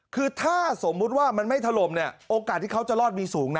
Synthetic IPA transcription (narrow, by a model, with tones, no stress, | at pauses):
kʰɯː˧t̪ʰaː˥˩so˩˦mːu˦˥t̪̚waː˥˩ma˧nma˥˩jt̪ʰa˧lo˧mni˥˩ɐoː˧ka˨˩t̪̚ʰːiː˥˩kʰwt͡ɕa˨˩lɔː˥˩t̪̚miː˧suː˩˦ŋna˦